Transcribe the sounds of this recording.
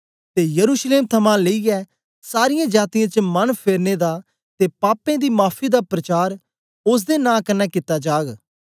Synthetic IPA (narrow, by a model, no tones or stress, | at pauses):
t̪eːjəɾuːʃleːmt̪ʰəmãːleiːɡɛː | saːɾɪjãːd͡ʒaːt̪ijãːt͡ʃəmənpʰeːɾneːd̪aː | t̪eːpaːpẽːd̪iːmaːpʰiːd̪aːpɾət͡ʃaːɾ | ʊs̬d̪eːnãːkənɛːkɪt̪ːaːd͡ʒaːɡ